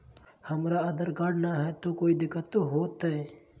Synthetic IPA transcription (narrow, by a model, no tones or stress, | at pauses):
hɐmɾaəd̪əɾɡaɽnaɦɛt̪okoːid̪ɪkːət̪ːoɦoːt̪ɛ